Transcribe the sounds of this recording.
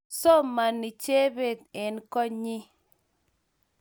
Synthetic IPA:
so˦ma˨ni˨t͡ʃe˦be˨t̪̚ɛ˨nkɔ˦ɲɪ˦

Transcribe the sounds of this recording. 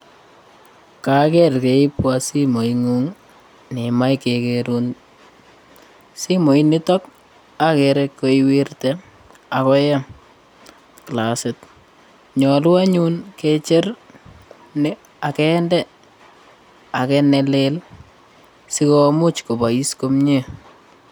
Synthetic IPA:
ka˨kɛrke˨i˦pwasimo˨iŋuŋ | nɪma˦jkekeɾun | si˦mo˨inɪtɔ˦k | a˦keɾekːoiwi˦rtɛ | a˨kɔ˦jɛ˦ | klasɪt | ɲɔ˨lʊ˦a˦ɲunket͡ʃɪ˦r | nɪ | a˨kɛ˦ndɛ˦ | a˨kɛnɛlel | sɪ˦ko˦mu˦t͡ʃko˨ba˨i˦sko˦mɲe˦

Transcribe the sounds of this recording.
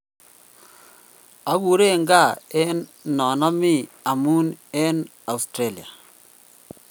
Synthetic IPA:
a˦ɡu˨ɾe˦ŋɡa˦˨e˦nnɔ˨na˦mi˦˨ | a˨mu˦ne˦n | a˨u˨stɾe˦˨li˨a̰˨

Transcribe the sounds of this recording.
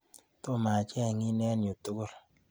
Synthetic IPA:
to˦ma˨t͡ʃɛ˦˨ŋi˦nɛ˦njo˨tu˦ko˦˨ɾ

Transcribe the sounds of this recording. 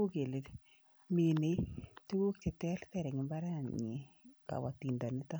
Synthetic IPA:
o˦ɡe˨le˨t | mi˨ne˨tu˦wo˦kt͡ʃe˨tɛ˦lt̪ɛ˦ɾɛ˨ŋɪ˨mba˦ɾa˦˨ɲe˨ka̰˨wa̰˨ti˨nda˨nɪ˦t̪a˦

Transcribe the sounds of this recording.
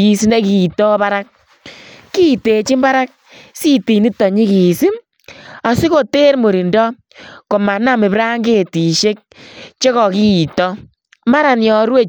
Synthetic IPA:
i˨si˦ne˦ki˨tɔ˦pa˦ɾa˦k̚ | ki˦˨te˨t͡ʃi˦mba˦ɾa˦k̚ | si˦ti˨ni˦tɔ˨ɲi˦ki˨si˦m | a˨si˦ko˦te˦ɾmo˨ɾi˨ndɔ˦ | ko˨ma˨na˦mɪ˨pɾa˦ŋɡe˦˨ti˨ʃe˦k̚t͡ʃe˦kɔ˨ki˦˨tɔ˦ | ma˦ɾa˨njɔ˨ɾwe˦

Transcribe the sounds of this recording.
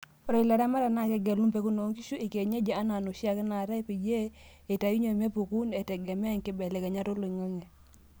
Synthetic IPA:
ɾɔ˨i˨la˨ɾa˦ma˦ɾa˨na˦˨kɛ˨ɡɛ˨lu˦mpe˨˦ku˦no˨˦ŋki˦ʃu˦ʔi˨ke˨ɲe˦d͡ʒɛ˨a˦na˨no˨ʃja˦˨kɪ˦na˨ɾa˦pi˨d͡ʒe˦ | e˨ta˨ju˦ɲo˨m˦e˦pu˨ku˦ne˨tɛ˨ɡɛ˨mɛ˦˨ŋkɪ˦bɛ˨lɛ˨kɛ˨ɲa˦to˦lo˨i˨ŋə˦ŋɛ˨

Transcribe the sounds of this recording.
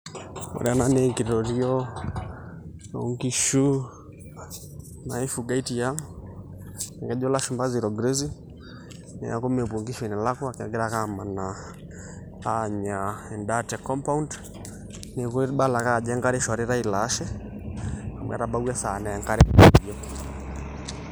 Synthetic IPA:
ɔ̰˨ɾɛa˦na˦nɛŋki˨ɾɔ˨ɾi˦ɔ˦ | ɔ˨ŋɡi˦ʃu˦ | na˨i˦fuɡa˦i˦ti˨ja˦ | a˨ŋɡɛ˨ʄɔ˦la˦ʃu˨mba˦zi˨ɾɔ˨ɡɾe˦zi˦ | nɛ̰˨a̰˨ku˦mɛ˨bu˨ŋɡi˦ʃɛ˨nɛ˨la˦kɔ˦a˨ki˨a˨ɡɛ˦ɾaka˦ma˨na˨ | a˦ɲa˨ɛ˨ndatɛ˨kɔ˦mpa˦und | ni˨kɔ˦ɓa˦la˨ka˦˨d͡ʒɛ˦ŋɡa˦ɾɛ˦ʃɔ˨ɾi˦ɾa˦i˨la˦ʃɛ˦ | a˨mwɛ̰˨ɾa˨ɓa˦wɛ˦sa˨nɛ˨ɛŋka˦ɾɛ˦˨a˨ɾiɔ˦

